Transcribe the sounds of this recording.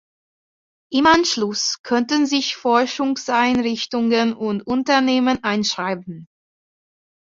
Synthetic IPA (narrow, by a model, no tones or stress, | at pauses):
ʔɪmʔanʃlʊskʰœntənzɪçfɔɐʃʊŋsʔaɪnʁɪçtʊŋənʊntʔʊntɐneːmənʔaɪnʃʁ̥aɪbn̩